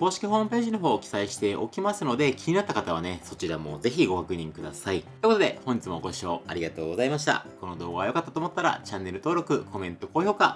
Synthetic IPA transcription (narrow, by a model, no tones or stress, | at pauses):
ko̞ːɕi̥kʲiɦo̞ːmɯ̟pe̞ːʑino̞ɦo̞ːkʲi̥saiɕi̥t̪e̞ʔo̞̰kʲimasɨno̞d̪e̞kʲiɲ̟inat̪ːakat̪aβane̞so̞t͡ɕiɾamo̞̰ze̞çiɡo̞kakɯ̟ɲ̟ĩŋkɯ̟d̪asaioeikood̪e̞̰hõ̞ɲ̟d͡ʑit͡sɨmo̞ːɡo̞ɕio̞̰ːaɾʲiɡat̪o̞ːɡo̞zaimaɕi̥t̪a̰ko̞no̞d̪o̞ːɡaβajo̞kat̪ːat̪oːmo̞t̪ːaɾa̰t͡ɕanːe̞ɾɯ̟t̪o̞ːɾo̞kɯ̟kʰo̞mẽ̞nt̪o̞koːço̞ːka